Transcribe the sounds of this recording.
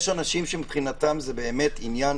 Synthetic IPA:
ʃanaʃimʃempχinat̪amzebeːmet̪injan

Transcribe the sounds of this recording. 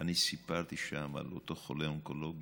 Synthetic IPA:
anisipaʁt̪iʃama̰lot̪oχoleoŋkoloɡ

